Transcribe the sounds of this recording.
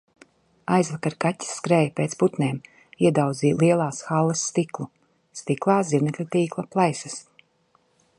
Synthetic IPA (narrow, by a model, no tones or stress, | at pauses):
ajzvakaɾkatʲːi̥sːkɾeːjpeːt̪sput̪neːm | iɛd̪awd̪ziːlˠiɛlˠaːsxalˠːɐsːt̪iklˠu | st̪iklˠaːziɾnɛklʲat̪iːklˠaplˠajsɐs